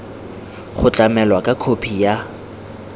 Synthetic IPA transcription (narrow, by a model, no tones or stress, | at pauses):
χʊt͡ɬʼamɛlwakʼakʰopʰija